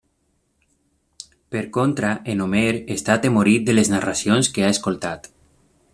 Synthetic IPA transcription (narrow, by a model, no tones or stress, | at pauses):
peɾkont̪ɾaʔenomeɾest̪at̪emoɾit̪̚d̪eleznarasijonskeaeskolˠt̪at̪